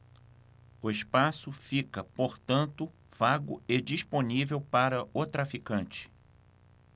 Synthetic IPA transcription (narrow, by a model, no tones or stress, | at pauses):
ʊespasʊfikɐpoɾt̪ɐ̃nt̪ʊ | v̥aɡʊed͡ʒisponivewpaɾɐʔʊt̪ɾafikɐ̃nt͡ʃɪ̥